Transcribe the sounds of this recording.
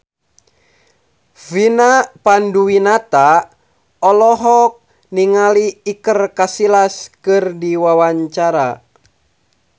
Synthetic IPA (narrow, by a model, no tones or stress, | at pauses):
vinapanduwinat̪a | ɔlɔɦɔk̚ | niŋaliːkərkasilaskɨrdiwawaɲt͡ʃaɾa